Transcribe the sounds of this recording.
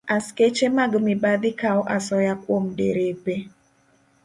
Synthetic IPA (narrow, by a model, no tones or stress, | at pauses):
asket͡ʃemaɡmɪbad̪ɪkaɔʔasɔjakwomdḛɾepe